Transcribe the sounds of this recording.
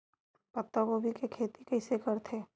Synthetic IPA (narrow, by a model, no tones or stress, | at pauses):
pɐt̪ːakobʱikekʰeːt̪ikɛɪsekɐɾt̪ʰeː